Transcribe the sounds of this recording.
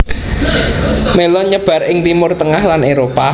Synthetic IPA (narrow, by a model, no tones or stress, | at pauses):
melɔɲəb̥ä̤rɪŋt̪imʊrt̪əŋahlanʔeɾopa